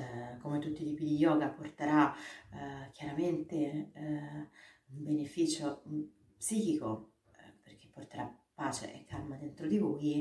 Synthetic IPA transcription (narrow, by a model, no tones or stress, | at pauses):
komet̪ːut̪ːit̪iːpid̪ijɔːɡaport̪eɾa | k̟jaɾament̪e | umbenefiːt͡ʃo | psiːkiko | perk̟e̥pːort̪eɾapːaːt͡ʃḛʔekʰːalmad̪ent̪ɾod̪ivuːj